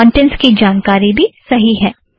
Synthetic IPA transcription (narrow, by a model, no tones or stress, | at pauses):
ɔɳʈẽnskid͡ʒaːnkaːɾibʱisɐɦiɦɛː